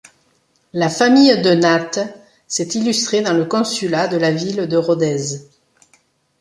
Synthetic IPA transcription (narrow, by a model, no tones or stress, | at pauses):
lafamijd̪ənat̪ | sɛt̪ilyst̪χed̪ɑ̃ləkɔ̃sylad̪əlavild̪əʁɔd̪ɛz